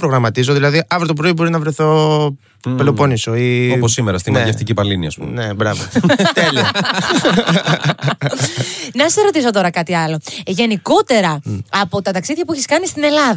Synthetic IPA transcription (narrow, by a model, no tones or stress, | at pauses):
pɾoɣɾɐmɐt̪izoðilɐðiʔɐvɾot̪op̬ɾoibo̞ɾinɐvɾeθo̞ | pelo̞po̞nisoioposːimeɾɐst̪imjeft̪icipɐliniɐ̰spumnebɾɐvot̪eli | nɐseɾo̞t̪iso̞t̪o̞ɾɐkɐt̪iɐlo̞ʝe̞niko̞t̪e̞ɾɐɐpo̞t̪ɐt̪ɐksiðʝɐpuiçiskɐnist̪ine̞lɐðɐ